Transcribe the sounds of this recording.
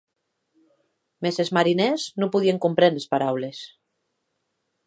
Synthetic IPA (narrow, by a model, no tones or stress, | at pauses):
mesezmaɾineznopuðieŋkumpɾenespaɾawles